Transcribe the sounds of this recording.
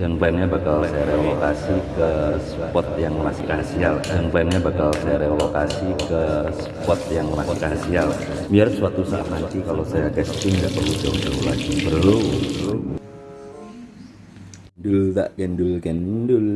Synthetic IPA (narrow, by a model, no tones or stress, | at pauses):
d͡ʒaŋplanɲabakalsajaɾelokasikəspɔt̪̚jaŋmaskɾasialdaŋplɛnɲabakalsajaɾealokasikəs | pɔt̪̚jaŋmaskɾasial | biarsuwat̪usaʔa̰t̪̚nant̪ikalosajakɛst̪ɪŋŋɡaʔpəud͡ʒawud͡ʒawla̰d͡ʒibərlu | dult̪a̰ʔkɛndulkɛndul